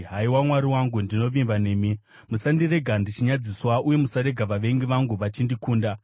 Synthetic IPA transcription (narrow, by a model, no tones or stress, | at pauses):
ɦaiwamwaɾiwaŋɡundino̞ʋimbane̞ːmi | musandire̞ɡʱandit͡ʃiɲad͡ziswaʔuje̞musaɾe̞ɡʱaʋaʋe̞ŋɡiʋaŋɡuʋat͡ʃindikuːnda